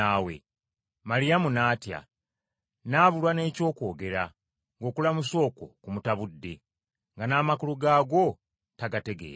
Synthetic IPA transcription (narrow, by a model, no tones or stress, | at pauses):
aːwe̞̰ | maɾijamunaːtja̰ | naβulwane̞ːco̞ːko̞ːɡe̞ɾa | ŋɡo̞ːkulamuso̞ːko̞̰kumutaβudːe̞ | ŋɡanaːmakuluɡaːɡo̞ | taɡate̞ɡe̞̰ːɾ